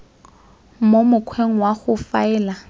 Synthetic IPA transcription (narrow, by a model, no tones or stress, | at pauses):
momʊkʰweŋ̩waχʊfaɛːla